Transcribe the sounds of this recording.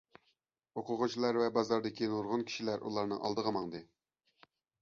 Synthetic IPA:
oqʰʊʁʊt͡ʃʰilˠɑɾvɛbɑzɑɾd̪ɪkʲinuɾʁʊnkʲʰi̥ʃilæɾʔṵlˠɑɾnɨ̰ŋʔɑ̰lˠd̪əʁəmɑŋd̪ɨ

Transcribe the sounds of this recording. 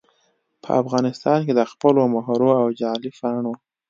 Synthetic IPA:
pʰə̰afɣɑnɪst̪ɑnked̪əxpəlomaɦɾoawd͡ʒɑlifaɳwu

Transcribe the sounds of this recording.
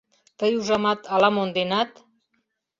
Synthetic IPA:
t̪əjuʒamat̪alamond̪enat̪

